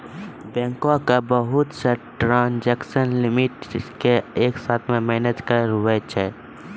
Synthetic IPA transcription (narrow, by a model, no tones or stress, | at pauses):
bɛ̃ːŋkõkabəɦʊt̪səʈɾãːnd͡ʒɛksənlɪmɪʈkeeːksaːt̪ʰmẽmɛːned͡ʒkəɾɾuɛt͡ʃʰɛ